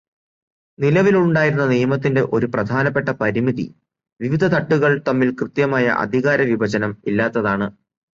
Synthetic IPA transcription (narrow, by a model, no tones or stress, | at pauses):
nilɐʋiluɳɖaːjiɾunːɐnijɐmɐt̪̬ːinde̞ʔo̞ɾuprɐd̪ʱaːnɐpːe̞ʈːɐpɐɾimiðḭ | ʋiʋid̪ʱɐt̪ɐʈːuɣɐɭt̪ɐmːilkrɨt̪jɐmaːjɐ̰ʔɐ̰d̪ʱiɣaːɾɐʋibʱɐd͡ʑɐnɐmilːaːt̪ːɐðaːɳɨ